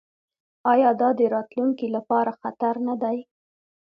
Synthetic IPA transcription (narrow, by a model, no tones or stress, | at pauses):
ɑjɑd̪ɑd̪əɾɑt̪luŋkilapɑɾaxat̪aɾnad̪aj